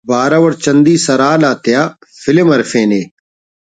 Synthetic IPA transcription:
bʱaːɾaʋɐɾt͡ʃɐnd̪iːsɐɾaːlaːt̪ɪjaːfɪlɪmɐɾfẽːneː

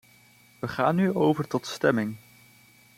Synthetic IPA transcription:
ʋəχaːnːyowvəɹtɔtstɛmɪŋ

